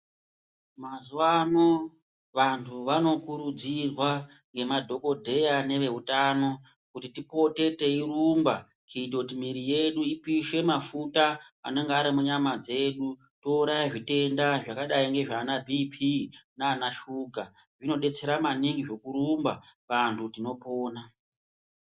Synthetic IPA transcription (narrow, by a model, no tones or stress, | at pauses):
mazuʋano | ʋantʰuʋano̞kuɾud͡zirwa | ŋɡe̞madʱo̞ko̞dʱe̞jane̞ʋe̞ɦutano̞ | kutitipo̞te̞te̞irumba | keit̬okutimiɾije̞ɗuipiʃe̞mafutaa̰ne̞ŋɡaːɾimuɲamad͡ze̞ɗu | to̞uɾajaʐite̞ndaʐakaɗaiŋɡe̞ʐaːnabʱipʰinaːnaʃuːɡʱaʐino̞ɗe̞t͡seɾamaniŋɡiʐo̞kuɾumbaʋantʰutino̞po̞ːna